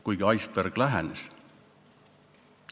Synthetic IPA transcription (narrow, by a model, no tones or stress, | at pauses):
kujɡiɑjsperɡ̥læɦæ̰nes